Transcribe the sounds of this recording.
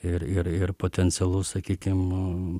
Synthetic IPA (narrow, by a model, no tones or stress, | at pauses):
ɪɾɪɾɪrpoːt̪ʲɛnʲsʲɛlˠʊsɐkʲiːkʲɪm